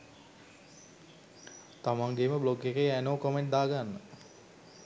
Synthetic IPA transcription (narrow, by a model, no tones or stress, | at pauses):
t̪amaŋɡeməbloɡːekejænoːkomeɳʈ̚d̪aːɡanːə